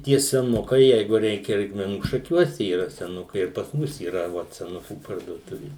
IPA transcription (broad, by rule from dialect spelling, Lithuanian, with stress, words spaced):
tʲiɛ sʲɛˈnʊkɐɪ ˈjɛɪɡʊ ˈrʲɛɪkʲɛ rʲɛɪkmʲɛˈnuː ʃɐˈkʲuɔsʲɛ iːˈrɐ sʲɛˈnʊkɐɪ ɪr pɐs ˈmʊs iːˈrɐ ˈʋɐt sʲɛˈnʊkuː pɐrduɔˈtʊʋʲɪ